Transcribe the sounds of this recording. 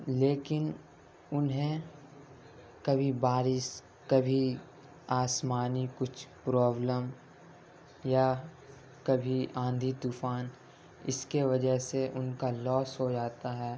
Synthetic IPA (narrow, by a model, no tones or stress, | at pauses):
leːkɪn | ʊnɦẽ | kɐbʱibaːɾɪs | kɐbʱi | aːsmaːnikʊt͡ʃʰpɾɔːbləm | ja | kɐbʱiãːnd̪ʱit̪uːfaːn | ɪ̰skeʋɐd͡ʒəɦseʔʊnkalɔːsɦod͡ʒaːt̪aɦɛː